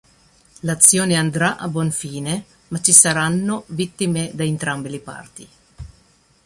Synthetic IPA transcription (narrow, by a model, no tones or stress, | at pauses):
lat̪sːjɔːneand̪ɾaʔabwɔnfiːne | mat͡ʃːisaɾanːovit̪ːimed̪aent̪ɾambilipa̰rt̪i